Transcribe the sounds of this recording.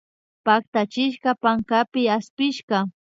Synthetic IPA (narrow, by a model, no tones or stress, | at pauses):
pak̚t̪at͡ʃɪʃɢɑpaŋkapɪaspɪʃɢɑ